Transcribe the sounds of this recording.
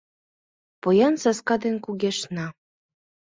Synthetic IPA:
pojɑnsɑskɑd̪enkuɡʲeʃnɑ

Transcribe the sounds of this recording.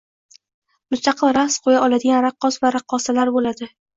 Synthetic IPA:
mʊst̪ʰɑqʰɨlˠɾasqʰojaɒlad̪ɪɡʲanɾaqːɒsvaɾaqʰːɒsalaɾbolad̪ɪ

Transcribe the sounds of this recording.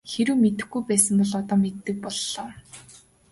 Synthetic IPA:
xeɾɘ̆wmet̪ɘ̆xɡujpæːsə̆mpɔɮɔt̪ɔːmet̪ːɘ̆k̚pɔɮːɔː

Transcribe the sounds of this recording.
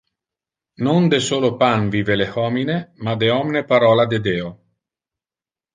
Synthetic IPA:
nond̪esoːlopanviːvelehɔːminemad̪eɔmnepaɾɔːlad̪ed̪eːo

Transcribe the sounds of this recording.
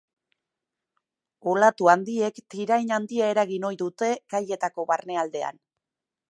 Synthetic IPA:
olat̪uand̪ie̞kt̪iɾajnand̪iae̞ɾaɣino̞jðut̪e̞ɡaje̞t̪ako̞βarne̞ald̪e̞a̰n

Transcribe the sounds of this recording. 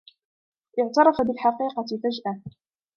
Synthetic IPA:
ʔɪʕt̪ɑɾˤɑfabɪlħɑqiːqɑt̪ɪfad͡ʒʔa

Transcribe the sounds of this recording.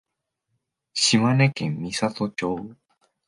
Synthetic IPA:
ɕimane̞kẽmːʲisat̪ot͡ɕoː

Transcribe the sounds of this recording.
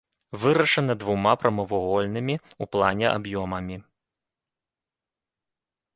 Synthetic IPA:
vɨɾɐʂɐnɐd̪vumapɾɐmɐvuɣɔlʲn̪ɨmʲiuplˠanʲɛʔa̰bjɔmɐmʲi

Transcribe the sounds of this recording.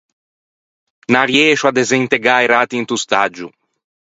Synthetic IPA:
naɾjɛːʃuad̪ezent̪eɡaeɾat̪int̪ust̪ad͡ʒu

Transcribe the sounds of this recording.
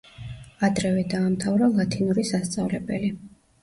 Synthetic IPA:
ad̪ɾɛvɛd̪aːmt̪ʰavɾalˠat̪ʰinuɾisast̪sʼavlɛbɛli

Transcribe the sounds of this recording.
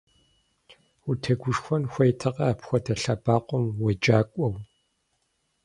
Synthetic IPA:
utʰɐɡʷʊʂxʷɔnxʷɔjtʰɐqʼɐapxʷɔtʰɐɬɐbaːqʷɔmwɔd͡ʒʼaːkʷʼɔw

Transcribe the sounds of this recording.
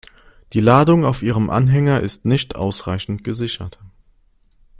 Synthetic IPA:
d̥iːlaːdʊŋaʊfʔiːʁ̞əmʔa̰nɦɛŋɐʔɪstnɪçtʔa̰ʊsʁ̥aɪçn̩tɡ̥əzɪçɐt

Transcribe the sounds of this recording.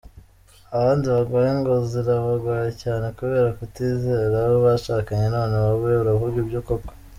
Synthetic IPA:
aβaːndiβaɡwaːjeŋɡoziɾaβaɡwaːjecaːne̞kuβe̞ːɾakutiːzeːɾaβoβaʃakaɲe̞naneβaβujeβuɾaβuɾɟubɟokoko̥

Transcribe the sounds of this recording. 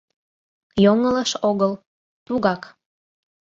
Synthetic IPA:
joŋələʃoɣəl | t̪uɣɑk

